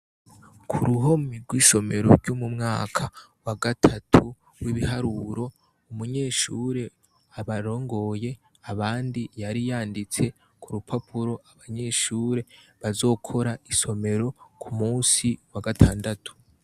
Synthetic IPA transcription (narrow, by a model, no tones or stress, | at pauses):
kʰuɾuɦo̞miɡwiːʃo̞me̞ɾo̞̰ɾɟumumŋaːkʰawaɡatʰatʰu | wiβiɦaɾuɾo̞ | umuɲe̞ːʃuːɾe̞ | aβaɾo̞ːŋɡo̞je̞ | aβaːndijaɾijaːndit͡se̞ | kʰuɾupʰapʰuɾo̞ʔaβaɲe̞ːʃuːɾe̞βazo̞ːkʰo̞ɾaiso̞me̞ɾo̞kʰumuːnsiwaɡatʰaːndatu̥